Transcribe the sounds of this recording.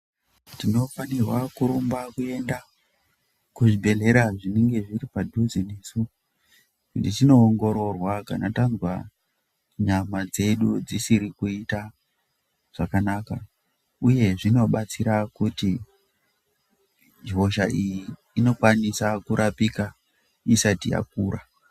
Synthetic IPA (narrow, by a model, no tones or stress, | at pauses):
tino̞fanirwakuɾumbakue̞nda | kuʐibʱe̞ɮe̞ɾaʐineŋɡe̞ʐiripadʱuzinesu | kutit͡ʃino̞ːŋɡo̞ɾo̞rwakanatanzwa | ɲamad͡ze̞ɗud͡zisiɾikuita | ʐ̥akanaka | uje̞ʐino̞ɓat͡siɾakuti | d͡ʒɦo̞ʃaʔijiː | no̞kwanisakuɾʔapika | isatija̰k̚uːɾa